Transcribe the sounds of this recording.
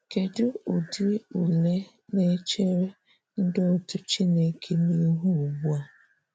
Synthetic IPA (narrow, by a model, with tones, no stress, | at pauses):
ke˨dʊ˦ʊ˨dɪ˦u˨le˦ | ne˦t͡ʃe˦ɾe˦ | n̩˦dʊ˦tʊ˦t͡ʃi˦ne˦kʰe˦ni˦ɦu˦u˨ɡ͡bu˦a˨